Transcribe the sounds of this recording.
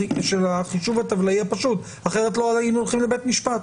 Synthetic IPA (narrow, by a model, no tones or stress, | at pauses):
ʃelaχiʃuvat̪avlaiapaʃut | aχeʁet̪loalaimolχimlebet̪miʃpat